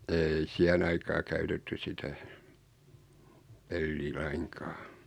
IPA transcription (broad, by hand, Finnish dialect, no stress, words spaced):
ei siæhen ɑikɑː kæytetːy sitæ pelːiː lɑiŋkɑ̥ː